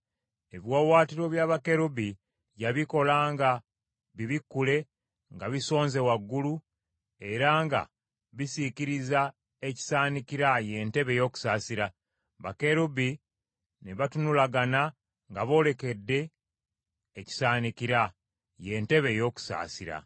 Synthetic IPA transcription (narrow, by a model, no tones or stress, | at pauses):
e̞βjwawaːtiɾo̞βjaβake̞ɾubi | ɟaβiko̞laːŋɡa | βiβikːule̞ | ŋɡaβiso̞ːnze̞waɡːulu | e̞ɾaŋɡa̰ | βisiciɾiza | eci̥saːnikiɾaje̞nte̞βe̞jo̞ːku̥saːsiɾa | βake̞ɾubi | neβatunulaɡana | ŋɡaβo̞ːle̞ke̞dːe̞ | ci̥saːnikiɾa | je̞nte̞βe̞jo̞ːku̥sa̰ːsiɾa̰